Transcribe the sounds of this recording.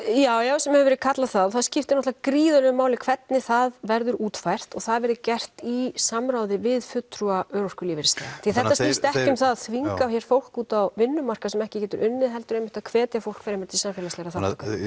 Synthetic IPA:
jaːwjasɛmhɛvɛɾʏkʰat̪laðθaðθaðscɪft̪ɪnɔht̪akɾiːðœlɛʏmaːwlɪkʰv̥ɛt̪nɪθaðvɛɾðʏɾuːt̪fajr̥t̪ɔɣθaðvɛɾðʏcɛr̥t̪isamɾawðɪvɪðfʏt̪ɾuaœːɾor̥kʏliːvɪɾɪst̪a̰θiθɛht̪asɪst̪ɛhcʏmθaðaðθviŋkaçjɛɾ̥fowl̥kuːt̪awvɪnːʏmar̥kasɛmɛhcɪcɛːt̪ʏɾʔʏnːɪðɦɛlt̪ʏɾejmɪht̪akʰvɛːt̪jafowlkfɛɾɪmɛɾt̪ʰisamfɛːlaslɛɣɾaθaʏka

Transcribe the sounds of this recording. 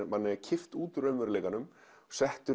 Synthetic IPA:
manːɛcʰɪft̪uːt̪ʏɾœmvɛɾleːkanʏm | sɛht̪ʏɾ

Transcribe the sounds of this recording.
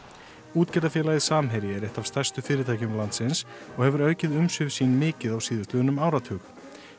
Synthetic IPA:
uːt̪cɛɾt̪afjɛːlajðɪsaːmɦɛjɾɪɛɾɛht̪av̥st̪ar̥st̪ʏfɪːɾɪt̪ʰaːjcʏmlant̪sɪns | ɔɣhɛvʏɾœːɥcɪðʏmsʏvsiːnmɪːcɪðawsiːðʏst̪lœːðnʏmaːwɾat̪ʰʏːk

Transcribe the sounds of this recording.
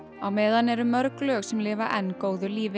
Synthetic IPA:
awmɛːðanɛɾʏmœɾklœːxsɛmlɪːvaʔɛnːkoːwðʏliːvɪ

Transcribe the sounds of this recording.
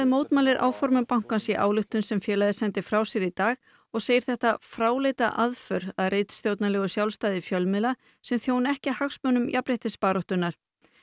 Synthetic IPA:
ðɪmoːwt̪maːlɪɾʔa̰ːwfɔɾmʏmpawŋ̥kansiʔa̰ːwlʏht̪ʏnsɛmfjɛːlajðɪsɛnt̪ɪfɾaːwsjɛɾit̪aːɣ | ɔɣseːjɪɾ̥θɛht̪afɾaːwlejt̪aʔaðfœɾ̥aɾejt̪st̪jowt̪nalɛːɣʏsjawlst̪aːðɪfjœlmɪla | sɛmθjoːwnɛhcɪahaxsmœːnʏmjʔapɾɪht̪ɪspaːɾɔht̪ʏnːaɾ̥

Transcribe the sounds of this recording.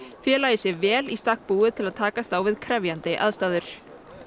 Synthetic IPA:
fjɛːlaːjɪsjɛvɛːlist̪ahk̚puːɪt̪ʰɪlaðt̪ʰaːkast̪aːwvɪðkʰɾɛvjant̪ɪʔa̰ðst̪aːðʏɾ̥

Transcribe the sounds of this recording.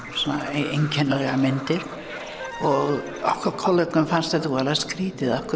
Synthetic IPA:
sɔnːaejɲcʰɛnːalɛɣamɪnt̪ɪɾ̥ | ɔɣ | ɔhkvaɾkʰɔlœknʏmfanst̪aθuvɛːɾaðskɾiːt̪ɪðahkʏ

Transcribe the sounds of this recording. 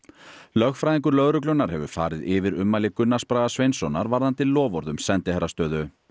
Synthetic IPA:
lœxfɾajðiŋkʏɾlœɣɾʏk̬lœnaɾ̥hɛvʏ̰fa̰ːɾɪðɪvɪɾʏmːalɪkʏnːaspɾajðasvejnsɔnaɾvaɾðant̪ɪllːɔːvɔɾðʏmsɛnt̪ɪhɛɾast̪œːðʏ

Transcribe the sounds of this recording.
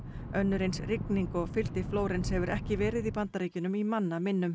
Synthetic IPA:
œnːʏɾejnsrɪkniŋkɔɣfɪlt̪ɪfloːwɾɪnshɛvʏɾɛhcɪvɛːɾɪðipant̪aɾiːcʏnʏmimanːamɪnːʏm

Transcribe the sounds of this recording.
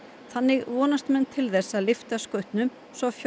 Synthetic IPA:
θanːɪɣvɔːnast̪mɛnt̪ʰɪlθɛsːalɪft̪askœɥht̪nʏm | svɔfj

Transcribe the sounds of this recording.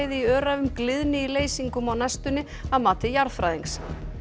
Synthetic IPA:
jðɪiœːɾavʏmklɪðnɪileːjsiŋkʏmawnɛst̪ʏnːɪ | aðmaːt̪ɪjaɾfɾaːjðeŋks

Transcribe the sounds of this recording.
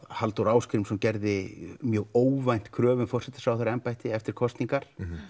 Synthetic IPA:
halt̪owɾaːwskɾɪmsɔmcɛɾðɪmjœːɣoːwvajn̥t̪kʰɾœːvʏnfɔr̥sɛt̪ɪ̥sawθɛɾaɛmpajt̪ɪɛft̪ɪɾ̥kʰɔst̪niŋkaɾ̥

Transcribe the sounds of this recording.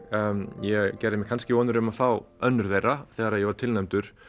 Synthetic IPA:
jɛcɛɾðɪmɛkʰanscɪvɔːnʏɾʏmaθfaːwœnːʏɾðejraθɛːɣaɾaðjɛvaɾ̥t̪ʰɪlnɛmt̪ʏɾ̥

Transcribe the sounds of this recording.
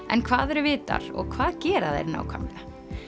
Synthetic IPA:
ʔɛnkʰvaːðɛɾʏvɪːt̪a̰ɾ̥ɔɣkʰv̥aːðcɛːɾaðḛɾna̰ːwkʰa̰mna

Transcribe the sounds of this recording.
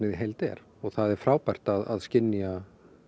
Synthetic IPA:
nɪðiɦejlt̪ɛ̰ɾ | ɔɣθaðɛɾfɾaːwpajr̥t̪aðaðscɪnːja

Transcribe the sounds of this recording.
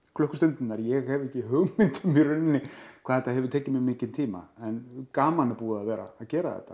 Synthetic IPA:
kʰlœhkʏst̪ʏnt̪ɪnːaɾjɛɣhɛvɛhcːɪɦœɣmɪnt̪ʏmːɛɾʏnːɪkkʰvaːðɛt̪ahɛvʏɾt̪ʰeːcɪmjɛɣmɪːcɪnt̪ʰiːma̰ɛnkaːmanɛɾpuːaaðvɛːɾa̰ːðcɛːɾa̰ðɛ̰ht̪ːḁ

